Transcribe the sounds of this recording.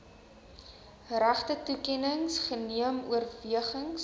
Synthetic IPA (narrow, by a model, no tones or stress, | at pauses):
ræχtətukɛnəŋsχəniəmṵərviəχəŋs